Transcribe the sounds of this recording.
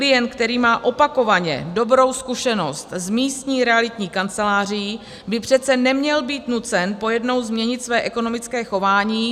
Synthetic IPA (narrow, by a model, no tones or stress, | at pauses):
klɪjɛnt̪̚kt̪ɛɾiːmaːʔo̞pako̞vaɲɛ̰do̞bɾo̞wskuʃɛno̞st̪zmiːst̪ɲiːɾɛalɪt̪ɲiːkant͡sɛlaːr̝ɪji | bɪpr̥ɛt̪t͡sɛnɛmɲɛlbiːt̪nut͡sɛnpo̞jɛdno̞wzmɲɛɲɪt̪svɛːʔɛko̞no̞mɪt͡skɛːxo̞vaːɲiː